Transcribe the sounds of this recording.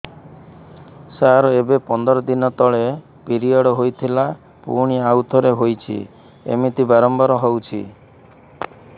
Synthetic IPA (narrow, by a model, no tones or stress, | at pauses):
saɾɔebepɔnd̪ɔɾɔd̪inɔt̪ɔɭe | piɾiɔɽɔɦojt̪ʰila | pṵɾɽ̃iawt̪ʰɔɾeɦojt͡ʃʰḭ | ḛmit̪ibaɾɔmbɔɾɔɦɔwt͡ʃʰḭ